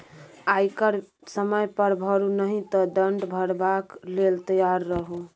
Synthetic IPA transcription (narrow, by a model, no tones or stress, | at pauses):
ajkəɾ | səməjpəɾbʱəɾunəɦĩt̪ɔd̪əɳɖbʱəɽbaklelt̪əjaɾːəɦũ